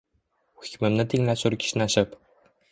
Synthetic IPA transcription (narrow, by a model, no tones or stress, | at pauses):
xi̥kʲmɘ̆mnɘt̪iŋlæsuɾkʲi̥ʃnæɕɘp